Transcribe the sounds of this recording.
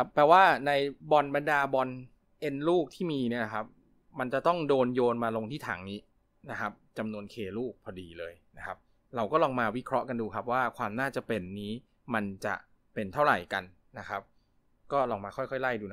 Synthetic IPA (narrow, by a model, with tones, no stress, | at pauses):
a˦˥pːɛː˨˩waː˥˩na˧jbɔ˧nba˧ndaː˧bɔ˧n | ʔe˧nluː˥˩k̚t̪ʰiː˥˩miː˧ni˥˩ɐkʰa˦˥p̚ | ma˧nt͡ɕa˨˩t̪ɔ˥˩ŋdoː˧njoː˧nmaː˧lo˧ŋt̪ʰiː˥˩t̪ʰa̰ː˩˦ŋniː˦˥ | na˦˥kʰa˦˥p̚t͡ɕa˧mnu˧ənkʰeː˧luː˥˩k̚pʰɔː˧diː˧˩lɤː˧jna˦˥kʰa˦˥p̚ | ɾa˧wkɔː˥˩lɔː˧ŋmaː˧wi˦˥kʰɾɔ˦˥ka˧nduː˧kʰa˦˥p̚waː˥˩kʰwaː˧mnaː˥˩t͡ɕa˨˩pe˧nːiː˦˥ | ma˧nt͡ɕa̰˨˩ʔ | pe˧nt̪ʰa˥˩wɾa̰˨˩jka˧n | na˦˥kʰa˦˥p̚ | kɔː˥˩lɔː˧ŋmaː˧kʰxʰɔ˥˩jkʰɔ˥˩jla˥˩jduː˧